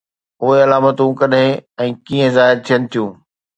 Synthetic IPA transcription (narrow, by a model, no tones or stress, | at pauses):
ʊɦeɐlaːmət̪ũkɐɗɦẽɛ̃ːkiːə̃zaːɦɪɾt̪ʰijənɪ̆t̪ʰijũː